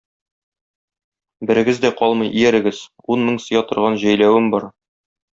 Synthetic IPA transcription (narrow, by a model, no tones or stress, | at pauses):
bɘ̆ɾɘ̆ɡɘzd̪æqɒlˠmɤjʔijæɾɘ̆ɡɘz | unmɤŋsɤ̆jɑt̪ŏɾʁɑnʑæjlæwɘmbɒɾ